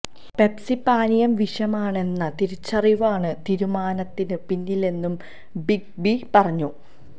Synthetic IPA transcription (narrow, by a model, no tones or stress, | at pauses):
pe̞psipaːnijɐmʋiʂɐmaːɳe̞nːɐt̪iɾut͡ɕːɐriʋaːɳɨt̪iɾumaːnɐt̪ːinɨpinːile̞nːum | biɡ̚bipɐrɐɲːu